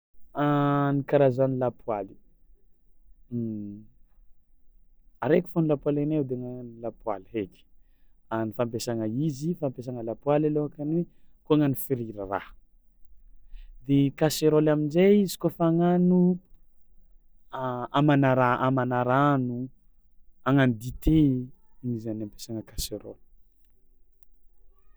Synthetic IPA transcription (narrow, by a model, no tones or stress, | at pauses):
anikaɾazanilapwali̥ | aɾeki̥fonulapwalenewd̪eŋanlapwa̰liɦekʲi̥ | anifampesaŋəizifampes̬aŋəlapwalaloakanwekuaŋanifiɾiɾara̰h | d̪ekaseɾolaminzeizi̥kofaŋanu | amanaɾaamanaɾanu | aŋanid̪it̪ʰeinizanampe̥saŋəkaseɾo̰l